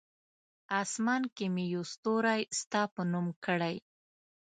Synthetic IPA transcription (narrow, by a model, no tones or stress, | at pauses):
ɑsmɑnkemejost̪oɾajst̪ɑpənumkəɽaj